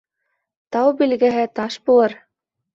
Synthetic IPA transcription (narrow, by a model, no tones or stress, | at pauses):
t̪ɑwbilɡæ̆ɦɘt̪ɑʃbulˠɤɾ